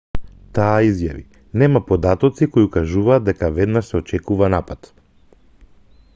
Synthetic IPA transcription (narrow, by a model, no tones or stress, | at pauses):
t̪aːizja̰vḭ | nɛmapɔd̪at̪ɔt̪sikojiukaʒuvaːd̪̚d̪ɛkavɛd̪naʃsɛɔt͡ʃɛkuvanapat̪